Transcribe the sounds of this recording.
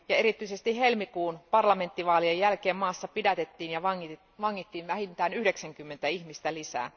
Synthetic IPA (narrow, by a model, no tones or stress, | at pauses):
jɑeɾit̪ːˑyisest̪ihelmikuːnpɑrlɑme̞nt̪ːiʋɑːliejːælkeːmmɑːsːɑpidæt̪et̪ːiːnjɑʋɑ | ʋɑŋːit̪ːiːnʋæhint̪æːnyhdeksæŋkymːent̪æiçmist̪ælisæ̰ː